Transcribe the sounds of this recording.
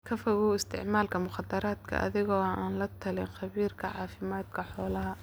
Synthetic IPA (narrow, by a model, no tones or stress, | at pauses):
kʰɐfɐɣuːɪst̪ʰɪ̰ʕmaːlkʰɐmʊχɑd̪ɐɾaːd̪kʰɐ̰ʔɐ̰ðɪɣɔːʔaːnlɐt̪ʰɐlɪnxɑβiːrkʰɐʕɑːfɪmaːd̪kʰɐħɔːlɐɦɐ